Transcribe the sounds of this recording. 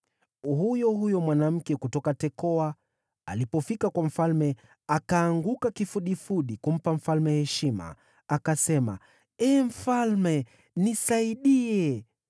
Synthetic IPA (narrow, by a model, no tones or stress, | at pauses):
hujɔhujɔmwanam̩kɛkutɔkatɛkɔa | alipɔfikakwam̩falmɛ | akaːŋɡukakifuɗifuɗikum̩pam̩falmɛhɛʃima̰ | akasɛma̰ | ɛm̩falmɛ | nisaiɗiɛ